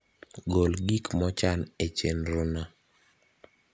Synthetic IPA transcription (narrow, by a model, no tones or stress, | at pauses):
ɡolɡikmɔt͡ʃanet͡ʃenɾona